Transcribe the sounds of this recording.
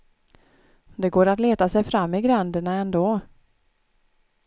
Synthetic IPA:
d̪ɛɡoːɾat̪leːt̪asɛjfɾamːɪɡɾand̪əɳaɛnd̪oː

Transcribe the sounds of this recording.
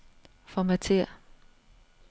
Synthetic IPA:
fɒmæt͡sʰeɐ̰

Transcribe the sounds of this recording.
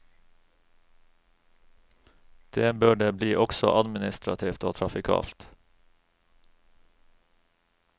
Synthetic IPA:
d̪̥eːbøːɖeːbliːʔɔksɔ̰ʔɑd̪mɪnɪst̪ɾɑt̪ʰiːft̪oːt̪ʰɾɑfɪkʰɑ̰ːlt̪

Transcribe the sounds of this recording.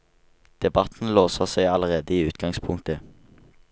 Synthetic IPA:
d̪̥ɛbɑt̪n̩loːsəʁseɪɑləʁeːd̪əiːʉːt̪ɡɑŋspʰʊŋt̪ə

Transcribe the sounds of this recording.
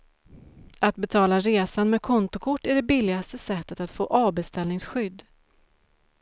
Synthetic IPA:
at̪̚bɛt̪ʰɑːlaɾeːsanmekʰɔnt̪ʊkʰʊʈːæɖɛbɪlːɪɡast̪əsɛt̪ːət̪at̪fo̰ːʔɑːbɛst̪ɛlnɪŋsɧʏd̪ː

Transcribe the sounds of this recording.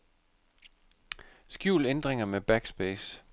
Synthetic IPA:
sɡ̥juʊlend̥ʁeŋɐmeb̥æɡ̥sb̥eːs

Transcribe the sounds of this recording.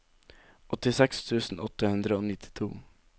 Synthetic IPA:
ʔɔt̪ɪsɛkst̪ʰʉːsn̩ʔɔt̪ːəhʉnd̪ɾəoːnɪt̪ʰɪ̥t̪ʰṵː

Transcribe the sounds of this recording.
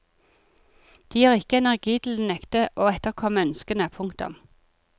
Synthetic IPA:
d̪̥iːhɑːʁɪkəɛnæʁɡiːt̪ʰl̩d̪nɛkt̪əʔoːɛt̪əʁkʰɔməœnskənəəpʰʊŋkt̪ʊ̰m

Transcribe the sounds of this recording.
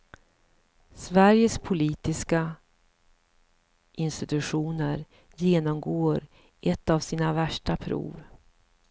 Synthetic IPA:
svæɾjəspʰʊliːt̪ɪska | ʔɪnst̪ɪt̪ɵɧuːnəɾ | jeːnɔmɡoːɾ | ʔɛt̪ːavsiːnavæʂʈapʰɾṵːv

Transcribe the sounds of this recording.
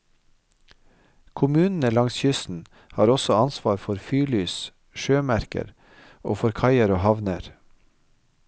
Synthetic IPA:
kʰʊmʉːnn̩əlɑŋsçʏsn̩ | hɑːɾɔsɔɑnsʋɑːɾfɔɾfyːlyːs | ʃøːmæɾkə̰ɾ | ʔoːfɔɾkʰɑɪəɾoːhɑʋnəɾ

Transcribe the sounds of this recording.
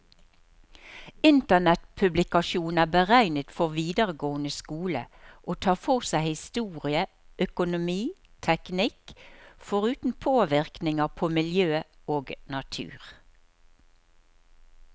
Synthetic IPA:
ɪnt̪ənɛt̪pʰʉblɪkɑʃuːnæːbəʁæɪnət̪fɔʁʋiːd̪əʁəɡoːənəskuːlə̰ʔoːt̪ʰɑːfɔʁsæɪhɪst̪uːʁɪə | ʔœkʊnʊmiː | t̪ʰɛknɪkfɔʁʉːt̪n̩pʰoːʋɪʁknɪŋəʁpʰoːmɪljøːoːɡnɑt̪ʰʉ̰ːʁ

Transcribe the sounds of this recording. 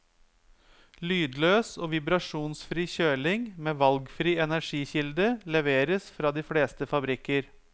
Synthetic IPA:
lyːd̪løːsoːʋɪbɾɑʂuːnsfɾiːçøːɭɪŋmeːʋɑlɡfɾiːɛnæɾʂiːçɪld̪əlɛʋeːɾəsfɾɑːd̪iːfleːst̪əfɑbɾɪkːəɾ

